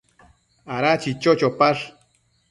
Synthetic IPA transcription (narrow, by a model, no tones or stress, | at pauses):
aɾat͡ʃit͡ʃot͡ʃopaɬ